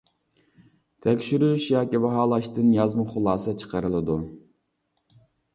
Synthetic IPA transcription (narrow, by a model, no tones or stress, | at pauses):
t̪ʰɛkʲʃyɾyʃjɑːkʲibɑɦɑːlˠɑʃt̪ɨnjɑzmʊχʊlˠɑːsɛt͡ʃʰə̥qəɾɨlˠɨd̪u